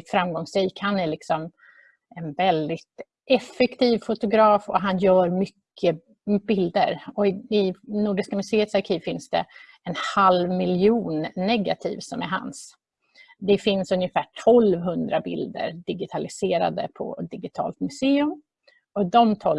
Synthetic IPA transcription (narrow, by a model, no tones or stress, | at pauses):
t̪fɾamɡɔŋsɾiːkhanæɭɪksɔm | ɛnvɛld̪ɪt̪ | ʔɛfɛkt̪ʰiːvfʊt̪ʊɡɾɑːfɔ̰ɦanjœːɾmʏkːə | bɪld̪əɾɔɪɪnuːɖɪʂkamɵseːət̪saɾkʰiːvfɪnsd̪ɛ̰ | ɛnhalvmɪljuːnːɛɡa̰t̪ʰḭːvsɔmæ̰ɾɦa̰ns | d̪ɛfɪnsɵnjəfæːʈʰɔlvɦɵnd̪ɾabɪ̰ld̪ə̰ɾɖ̪ɪɡɪt̪ʰalɪseːɾa̰d̪ə̰pʰɔ̰d̪ɪɡɪt̪ʰɑ̰ːlt̪mɵseːɵm | ɔd̪ɔmt̪ʰɔl